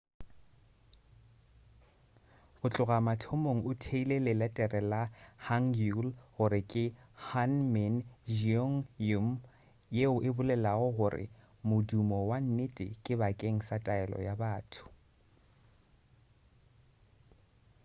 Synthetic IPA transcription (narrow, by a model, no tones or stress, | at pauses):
ɣʊt͡ɬʼʊɣamatʰomoŋ̩ʊtʰeilelɪlɛtʼɛrɛlahaŋulɣʊɾɪkʼɪhanmɛnʒɔŋum̩ | jeʊʔɪbʊlɛlaɣʊɣʊrɪ̰ | mʊdumɔwan̩netʼɪ̰kʼɪbakʼeŋ̩satʼaɛlɔ̰jabaːtʰʊ̥